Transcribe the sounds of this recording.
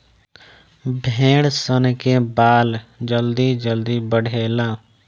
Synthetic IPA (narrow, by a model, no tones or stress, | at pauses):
bʱẽːɽsənkebaːld͡ʒəld̪id͡ʒəld̪ibəɽʱeːlãː